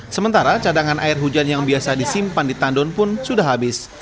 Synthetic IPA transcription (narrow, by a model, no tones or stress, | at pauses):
səmənt̪aɾat͡ʃadaŋanʔa̰ɪrɦud͡ʒanjaŋbiasadisimpandit̪andɔnpʊnsudaɦabɪs